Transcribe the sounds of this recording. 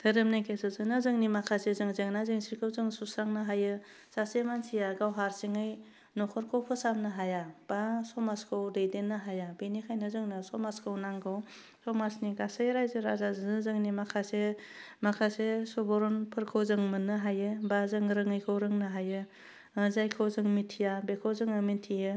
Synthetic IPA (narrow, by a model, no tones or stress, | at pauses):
tʰɯɾɯmnekʰesɯzɯnazɯŋnimakʰasezɯŋzɯŋnazɯŋsiɾkʰɯwzɯŋsusaŋnɯɦajɯ | sasemansʰijaɡawɦaɾsiŋɯj | nɔkʰɔɾkʰɔwpʰɯsamnɯɦajab̥asɔmaskʰɯwdejdenːɯɦajabenikʰajnɯzɯŋnɯsɔmaskʰɯwnaŋɡʰaw | sɔmasniɡasajɾajzɯɾazazzɯŋnimakʰase | makʰasesɔbɔɾɔnpʰɯɾkʰawzɯŋmɯnːɯɦajɯbazɯŋɾɯŋɯjkʰɯwɾɯŋnɯɦajɯ | zajkʰawzɯŋmitʰijabekʰawzɯŋɯmintʰijɯ